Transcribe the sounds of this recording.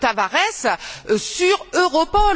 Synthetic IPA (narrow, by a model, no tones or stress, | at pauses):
t̪avaʁɛssyʁøʁɔpɔ